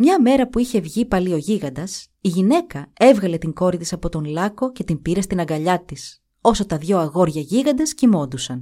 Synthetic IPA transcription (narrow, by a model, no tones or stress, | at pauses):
mɲɐme̞ɾɐpuiçe̞vʝipɐlio̞ʝiɣɐnd̪ɐs | iʝine̞kɐe̞vɣɐle̞t̪iŋɡo̞ɾit̪isɐpot̪o̞nlɐkoce̞t̪imbiɾest̪inɐŋɡɐʎɐt̪is | o̞so̞t̪ɐðʝo̞ɐɣo̞ɾʝɐʝiɣɐnd̪ɐscimo̞nd̪usɐn